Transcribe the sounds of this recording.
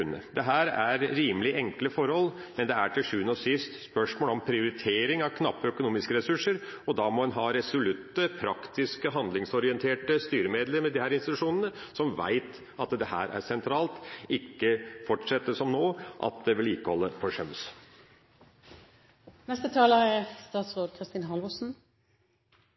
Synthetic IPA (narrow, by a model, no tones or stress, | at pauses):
nːə̰d̪ɛɦæːɾæɾɾiːməlɪʔɛŋkləfɔɾhɔl | mɛnd̪ɛæʈʰɪlʂʉːənɔsɪst̪spœʂmoːlɔmpʰɾɪʊɾɪt̪ʰeːɾɪŋɑʋkʰnɑpːəœkʊnuːmɪskəɾɛsʉʂəɾɔd̪ɑːmɔɛnɦɑːɾɛsʊlʉt̪ːəpʰɾɑkt̪ɪskəɦɑnd̪lɪŋsɔɾɪɛnt̪ʰeːʈəst̪yːɾəmeːd̪ləɾmɛd̪ɪhæːɾɪnst̪ɪt̪ʉʂuːnənəsɔmʋæ̰ɪt̪ | ɑt̪d̪ɛhæ̰ːɾʔæ̰ɾsɛnt̪ʰɾɑːlt̪ɪkːəfɔʈʂɛt̪ːəsɔmnoːʔɑ̰t̪̚d̪ɛʋɪlɪːkəhɔlːəfʰɔʂœms | nɛst̪ət̪ʰɑːlɑɛst̪ɑːt̪sʋoːɡ̪̚kʰɾɪst̪iːnɦɑlʋɔsn̩